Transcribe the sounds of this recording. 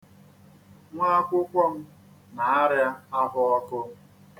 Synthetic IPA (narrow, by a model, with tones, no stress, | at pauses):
ŋʷa˦a˦kʷʊ˦kʷɔ˦m̩˦ | na˨a˦ɾja˦a˦ɦʊ˦ɔ˦kʊ˦